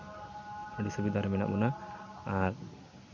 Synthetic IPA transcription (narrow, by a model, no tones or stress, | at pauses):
əɖisubid̪aɾmɛna̰ʔbunaaɾ